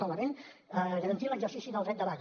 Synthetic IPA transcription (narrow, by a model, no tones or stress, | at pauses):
aləmenəʒəɾənt̪iləɡzəɾsisinəlˠɾɛt̪d̪əla